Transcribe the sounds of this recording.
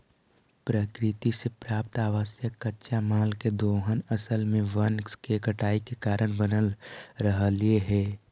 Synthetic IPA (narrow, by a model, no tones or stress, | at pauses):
pɾəkɾɪt̪isepɾaːp̚t̪aːʋəsjəkːətːʃamaːlked̪oːɦənəsəlmẽʋənskekəʈaːikekaːɾəɽ̃bənəlɾəɦəlieɦɛː